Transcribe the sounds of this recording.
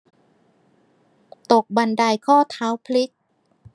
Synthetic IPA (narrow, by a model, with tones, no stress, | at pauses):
t̪o˨˩k̚ba˧˩nda˧˩jkʰɔː˥˩t̪ʰaː˨˦˥wpʰli˦˥k̚